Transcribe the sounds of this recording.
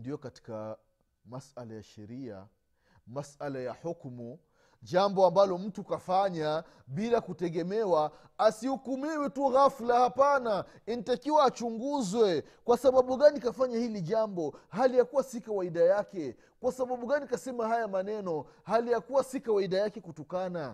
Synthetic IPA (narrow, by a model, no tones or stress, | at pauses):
ndijɔkati̥ka̰ | masalaja̰ʃɛ̰ɾia̰ | masalajahukmu | ʄambɔambalɔm̩tukafaɲa | ɓilakutɛɠɛmɛwa | asihukumiwituɣaflahapana | initakiwaːt͡ʃuŋɡuzwɛ | kwasaɓaɓuɠanikafaɲahiliʄambɔhalijakuwasikawaiɗajakɛ | kwasaɓaɓuɡanikasɛmaɦajamanɛnɔhalijakuwasikawaiɗajakɛkutɔkana